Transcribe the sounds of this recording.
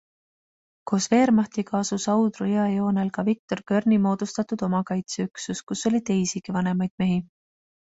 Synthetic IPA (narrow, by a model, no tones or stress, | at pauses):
ko̞ːsve̞ːɾmɑht̪ikɑːsusɑwd̪rujɑjo̞ːnelkɑvik̚t̪o̞rkø̞rnimo̞ːd̪̥ust̪ɑt̪ud̪̥o̞mɑkɑjt̪seyksuskuso̞lʲit̪e̞jsiɡ̥ivɑne̞mɑjd̪̥me̞ɦi